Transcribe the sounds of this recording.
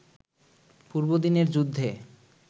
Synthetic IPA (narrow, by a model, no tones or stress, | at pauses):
puɾbod̪ineɾd͡ʑud̪ʱːe